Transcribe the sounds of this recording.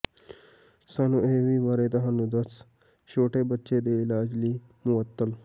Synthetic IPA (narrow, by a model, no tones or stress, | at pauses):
sanueʋiʋaɾed̪ɐɦanud̪ət͡s | ɕoʈebətːɕed̪elaːd͡ʑliː | muʋət̪ːəl